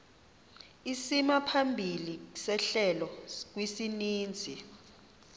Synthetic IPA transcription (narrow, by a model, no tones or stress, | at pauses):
isimapʰambʱilisɛɬɛlɔk̬wisiniːnd͡zʱi